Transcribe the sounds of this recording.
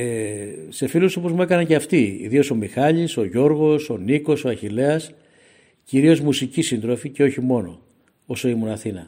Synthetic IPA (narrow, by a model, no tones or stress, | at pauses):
e | se̞filusopo̞zmue̞kɐnɐɲceɐft̪iḭðio̞so̞mixɐʎiso̞ʝo̞ɾɣo̞so̞niko̞so̞ɐçile̞ɐs | ciɾio̞zmusicisind̪ɾo̞fice̞o̞çimo̞no̞̰ | oso̞imunɐθinɐ